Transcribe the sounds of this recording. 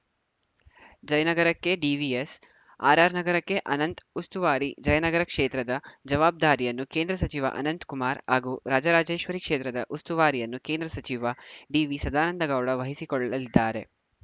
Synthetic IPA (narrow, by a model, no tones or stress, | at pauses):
d͡ʒɐjɐnɐɡɐɾɐkːe̞ɖiʋies | a̰ːɾaːɾnɐɡɐɾɐkːe̞ʔɐnɐnt̪ust̪uʋaːɾid͡ʒɐjɐnɐɡɐɾɐkʂeːt̪ɾɐd̪ɐd͡ʒɐʋaːb̚d̪aːɾijɐnːukeːnd̪ɾɐsɐt͡ʃiʋɐ̰ʔɐ̰nɐnt̪kumaːɾɦaːɡuːɾaːd͡ʒɐɾaːd͡ʒeːʃʋɐɾikʂeːt̪ɾɐd̪ɐʔust̪uʋaːɾijɐnːukeːnd̪ɾɐsɐt͡ʃiʋɐɖiːʋisɐd̪aːnɐnd̪ɐɡɐwɽɐʋɐɦisikɔɭːɐɐlid̪ːaːɾe̞̰